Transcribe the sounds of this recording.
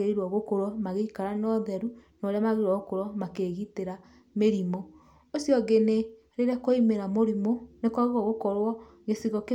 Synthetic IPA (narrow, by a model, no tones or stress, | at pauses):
eɾiɾwɔɣokoɾwɔmaɣeikaɾanɔðɛɾunoɾeamaɣeiɾwɔɣokoɾwɔmakeɣiteɾa | meɾimo | osjɔɣene | ɾeɾakoimeɾamoɾimonekwaɣeɣwɔɣokɔɾwɔ | ɣesiɣɔke